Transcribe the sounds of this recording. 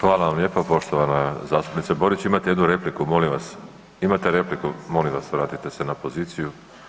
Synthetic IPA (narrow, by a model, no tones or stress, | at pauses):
xʋaːlˠaʋamʎe̞ːpapo̞ʃt̪o̞ʋanazaːst̪u̥pnit̪sabo̞ɾit͡ɕimat̪ejed̪nuɾe̞plikumo̞limʋas | imat̪e̞ɾe̞plikumo̞limʋasʋɾaːt̪it̪e̞se̞napo̞ziːt̪siju